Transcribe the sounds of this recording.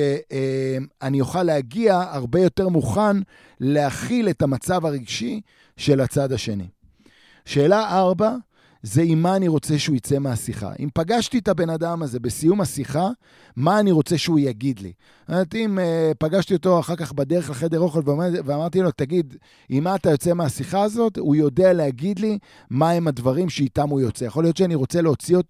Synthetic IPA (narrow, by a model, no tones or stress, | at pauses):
eemanijoχalːeaɡiaaʁbe̞jo̞te̞ʁmuχan | leaχile̞tamat͡savaʁiɡʃi | ʃe̞lat͡sadaʃe̞nḭ | ʃe̞ːlaʔaʁba | ze̞imːaːniʁo̞t͡se̞ʃeuit͡se̞measiχa̰ʔḭmpaɡaʃt̪it̪abe̞nadamaze̞besijumasiχa | maːniʁo̞t͡se̞ʃeujaɡid̪lḭ | amaʁt̪iimepaɡaʃt̪io̞to̞aχaʁkaχbad̪e̞ʁe̞χleχedeʁo̞χelveaveamaʁt̪ilo̞taɡid | imːaːt̪ajo̞t͡semeasiχaːzo̞tujo̞dealeaɡid̪li | mae̞madvaʁimʃeit̪amujo̞t͡sejaχo̞lijo̞t̪ʃeaniʁo̞t͡seleo̞t͡siot